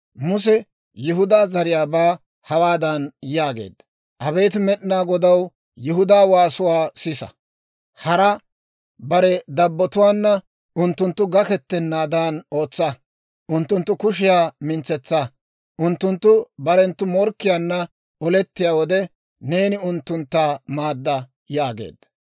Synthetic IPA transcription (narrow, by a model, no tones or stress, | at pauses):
mʊs̬ɛ | jɛɦʊd̪aːzɐɾɪjaːbaː | hɐwaːd̪ɐnjaːɡe̞̰ːd̪ːɐ | ʔɐbe̞ːt̪ɪmɛɗɪnaːɡɔd̪ɐw | jʊɦʊd̪aːwaːsʊwaːsɪsɐ̰ | hɐɾɐ | bɐɾɛd̪ɐbːɔt̪ʊwaːnːɐ | ʔʊnt̪ːʊnt̪ːʊɡɐkɛt̪ːɛnːaːd̪aːno̞ːt͡sːɐ | ʔʊnt̪ːʊnt̪ːʊkʊʃ̬ɪjaːmɪnt͡sːɛt͡sːɐ | ʔʊnt̪ːʊnt̪ːʊbɐɾɛnt̪ːʊmɔɾkːɪjaːnːɐ | ɔlɛt̪ːɪjaːwɔd̪ɛ | ne̞ːnɪʊnt̪ːʊnt̪ːaːmaːd̪ːɐ | jaːɡḛːd̪ːɐ̥